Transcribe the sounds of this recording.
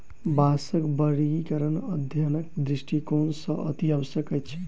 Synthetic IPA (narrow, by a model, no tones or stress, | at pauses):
basəkbəɽikəɾənəd̪ʱjanək̚d̪ɾisʈikonsə̃ʔə̰t̪iəbəsjəkət̪ːt͡ʃʰɛ̥